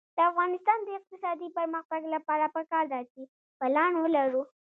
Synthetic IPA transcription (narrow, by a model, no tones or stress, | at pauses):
d̪̥əafɣɑnɪst̪ɑnd̪əɪq̚t̪ɪsɑd̪ipəɾməxt̪aɡlapɑɾapəkɑɾd̪ɑt͡ʃe | balɑnwəlaɾu